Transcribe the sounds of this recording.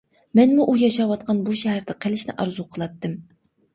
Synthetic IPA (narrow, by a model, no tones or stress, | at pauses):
mɛnmuʔujɑʃɑwɑt̪̚qʰɑnbuʃɛɦæɾd̪ɪqʰelɪʃnɪ̰ʔɑɾzuqʰəlˠɑt̪ːɨm